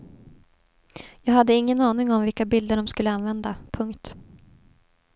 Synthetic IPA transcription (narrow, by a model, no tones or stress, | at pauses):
jɑːɡhad̪ːəɪŋːənɑːnɪŋɔmvɪlkabɪld̪əɖɔmskɵlːəanvɛnd̪apʰɵŋkt̪